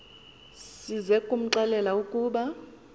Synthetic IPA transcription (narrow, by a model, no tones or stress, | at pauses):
sizɛkʼum̩ǁalɛlaukʼuːɓa